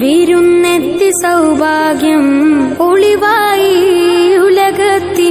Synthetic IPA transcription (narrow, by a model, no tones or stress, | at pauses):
ʋiɾunːed̪ːisɐwbʱaːɡjɐmoɭiʋaːji | ulɐɡɐt̪ːi